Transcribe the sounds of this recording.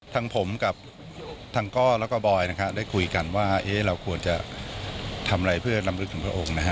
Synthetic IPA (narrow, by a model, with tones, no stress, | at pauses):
t̪ʰa˧ŋpʰo˩˦mka˨˩p̚ | t̪ʰaː˧ŋkɔː˥˩lɛː˦˥kɔː˥˩bɔː˧jna˦˥kʰa˦˥p̚daː˥˩jkʰu˧jka˧nwaː˥˩ʔeː˦˥ɾa˧wkʰu˧ənt͡ɕa˨˩ | t̪ʰa˧m˧ɾa˧jpʰɯ˥˩ɐɾa˧mɾɯ˦˥k̪̚ʰɯ˩˦pʰɾa˧ʔo˨˧˩ŋna˦˥a˦˥